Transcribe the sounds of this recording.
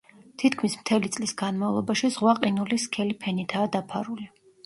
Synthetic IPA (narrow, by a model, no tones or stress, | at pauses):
t̪ʰit̪kʰmismt̪ʰɛlit̪sʼlisɡanmavlˠɔbaʃizʁwaqʼinuliskʰɛlipʰɛnit̪ʰaːd̪apʰaɾuli